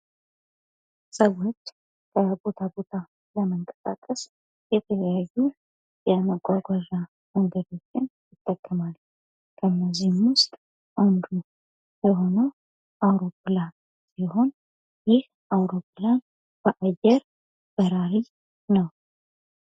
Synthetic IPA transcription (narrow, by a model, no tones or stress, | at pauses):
səwo̞t͡ʃː | kʰəbo̞t̪ʰabo̞t̪ʰa | ləməŋkʼəsʼa̰kʼəs | jɛt̪ʰələjajːu | jɛməɡʷʼaɡʷaʒa | məŋɡəd̪o̞t͡ʃːɪnjɪt̪ʼːəkʼːəmal | kʰəɨnːəzihmwʊst̪ʼ | ʔand̪u | jɛɦo̞nəw | ʔawɾo̞pːla | siho̞n | jɪh | ʔawɾo̞pːlan | b̥əʔajɛɾ | b̥əɾaɾi | nəw